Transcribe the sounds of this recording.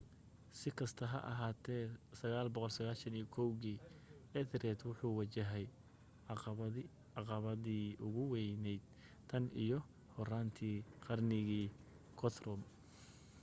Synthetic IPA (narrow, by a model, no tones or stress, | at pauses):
sɪkʰɐst̪ʰɐɦɐ̰ʔɐ̰ɦaːt̪ʰɛːsɐɣaːlbɔqɔlsɐɣaːlʃɐnijɔkʰɔwɣiːʔɛðɾɛt̪wʊħuːwɐt͡ʃɐɦɛj | ɑqɑβɐðiːʔʊɣʊwɛjnɛjd̪̥̚ | t̪ʰɐnḭjɞ | hɔraːnt̪ʰiːqɑrnɪɣiː | kʰɔt̪rɔm